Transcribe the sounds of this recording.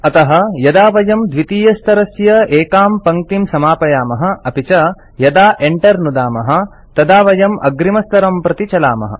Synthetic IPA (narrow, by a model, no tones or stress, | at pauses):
ɐt̪ɐɦɐ̆jɐd̪aːʋɐjɐmd̪ʋit̪iːjɐst̪ɐɾɐsjɐeːkaːmpɐŋt̪imsɐmaːpɐjaːmɐɦɐ̆ɐpit͡ʃɐ | jɐd̪aːʔeɳʈɐɾnud̪aːmɐɦɐ̆ | t̪ɐd̪aːʋɐjɐmɐ̰ɡɾimɐst̪ɐɾɐmpɾɐt̪it͡ʃɐla̰ːmɐ̰ɦɐ̰